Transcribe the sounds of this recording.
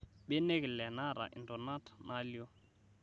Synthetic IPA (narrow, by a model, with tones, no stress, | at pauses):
ɓɛ˦ne˦klɛ˨na˦ɾa̰˨ʔḭ˨ndɔ˨na˦tnʔa˦lo˦